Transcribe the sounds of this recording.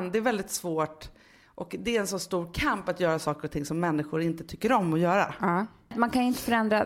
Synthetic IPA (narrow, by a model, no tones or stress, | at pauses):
nd̪ɛɾvɛld̪ɪt̪svoːʈ | ʔɔkd̪ɛːɾɛnsɔnst̪uːɾkʰampat̪jœːɾasɑːkəɾɔt̪ʰɪŋːsɔmːɛnːɪɧʊɾɪnt̪ət̪ʰʏkːəɾɔmːɔjœːɾa̰ | t̪mankʰanjʏɪnt̪əfœɾɛnd̪ɾa